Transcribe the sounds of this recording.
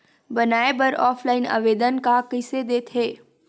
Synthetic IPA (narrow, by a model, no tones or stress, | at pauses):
bənaːebəɾɔːfʰlaːɪna̰ʋeːd̪ənkakɪsed̪eːt̪ʰɦeː